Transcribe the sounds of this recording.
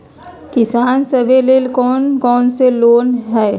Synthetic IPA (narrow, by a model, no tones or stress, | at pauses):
kɪsaːnsəbʱeleːlkɔːnkɔːnseloːnɦɛː